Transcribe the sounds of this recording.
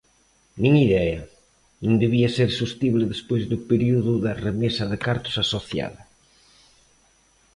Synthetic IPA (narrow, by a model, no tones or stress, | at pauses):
nĩŋiðɛɐ | nũŋd̪eβiɐseɾsust̪iβlɪðespojzðʊpeɾiuðʊðɐremesɐðɪkaɾt̪ʊ̥sasoθja̰ðɐ